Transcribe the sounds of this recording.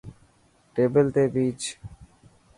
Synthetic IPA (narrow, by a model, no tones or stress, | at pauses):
ʈeːbəlt̪eːbiːt͡ʃ